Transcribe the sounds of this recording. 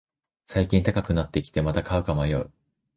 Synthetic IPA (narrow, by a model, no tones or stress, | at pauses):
saikʲĩnt̪akakɯ̟nat̪ːe̞kʲi̥t̪e̞mat̪akaɯ̟kamajo̰i